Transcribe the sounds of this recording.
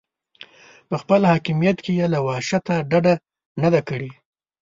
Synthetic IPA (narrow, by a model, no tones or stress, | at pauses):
pəxpəlhɑkɪmijat̪kejalawɑʃat̪aɖaɖa | nad̪akəɽi